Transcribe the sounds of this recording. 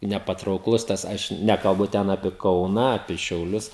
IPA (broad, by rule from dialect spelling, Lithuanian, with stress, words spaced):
nʲɛpɐtrɐʊkˈlˠʊs ˈtɐs ˈɐʃ ˈnʲæːkɐlˠbʊ ˈtʲɛn ɐpʲiɛ ˈkɐʊnɐ ɐpʲiɛ ʃʲɛʊˈlʲʊs